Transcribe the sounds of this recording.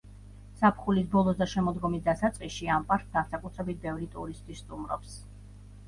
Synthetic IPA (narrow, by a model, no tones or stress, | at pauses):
sapʰχulisbɔlˠɔsd̪aʃɛmɔd̪ɡɔmisd̪asat̪sʼqʼiʃiampʼaɾkt̪̚ʰd̪asakʼut̪ʰɾɛbit̪̚ʰbɛvɾit̪ʼṵɾist̪ʼwisːt̪ʼumɾɔ̰ps